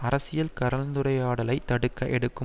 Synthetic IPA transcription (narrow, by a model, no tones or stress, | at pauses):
ɐɾɐsɪjɐlkɐɾɐlnd̪ɯɾɐɪjaːɽɐlɐɪt̪ːɐɽɯkːɐʔɛɽɯkːɯ